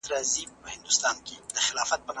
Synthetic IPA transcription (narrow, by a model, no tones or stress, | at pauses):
ɾazipəhɪnd̪ʊst̪ɑnked̪əxɪlɑfat̪̚pən